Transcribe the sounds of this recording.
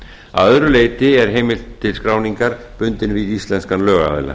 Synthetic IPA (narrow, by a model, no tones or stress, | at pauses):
aaœðɾʏleːjt̪ɪɛɾ̥ɦeːjmɪlt̪ʰːɪlskɾaːwniŋkaɾ̥ | pʏnt̪ɪnviðist̪lɛnskanlœːɣaa̰ðɪ̰la̰